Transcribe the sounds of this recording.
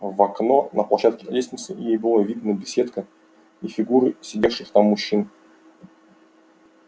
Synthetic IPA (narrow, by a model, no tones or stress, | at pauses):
vɐknonəplˠɐɕat̪̚kʲɪ̥lʲesʲnʲɪt̪səjejbɨlˠavʲid̪nəbʲɪsʲet̪kə | ifʲɪɡuɾɨsʲɪdʲefʂɨxt̪amːʊɕːin